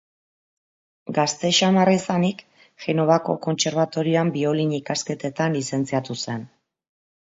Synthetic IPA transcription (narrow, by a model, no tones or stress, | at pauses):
ɡast̪e̞ʃamaraisanik | ʝe̞no̞βako̞̰ko̞nt͡se̞ɾβat̪o̞ɾioambio̞liɲikaske̞t̪e̞t̪anlise̞nt͡siat̪use̞n